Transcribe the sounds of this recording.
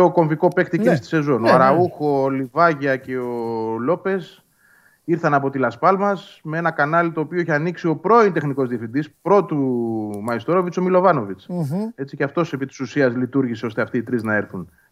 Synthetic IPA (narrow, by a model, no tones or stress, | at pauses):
oko̞ɱviko̞pe̞xt̪ikist̪i̥se̞zo̞noɐɾɐuxo̞ːlivɐʝiɐce̞o̞lo̞pe̞s | iɾθɐnɐpo̞t̪ilɐspɐlmɐsmee̞nɐkɐnɐlit̪o̞ːpioeçiɐniksio̞pɾo̞int̪e̞xniko̞zðiɐfind̪ispɾo̞t̪umɐist̪o̞ɾo̞vit͡so̞milo̞vɐno̞vit͡se̞t͡siceɐft̪o̞se̞pit̪i̥susiɐzlit̪uɾʝiseo̞st̪e̞ɐft̪iːt̪ɾiznɐe̞ɾθun